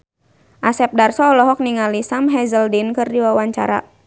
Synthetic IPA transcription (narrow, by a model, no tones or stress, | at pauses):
ʔasɛp̚darsɔːlɔɦɔk̚niŋalisamɦɛzəldinkɨrdiwawaɲt͡ʃa̰ɾa̰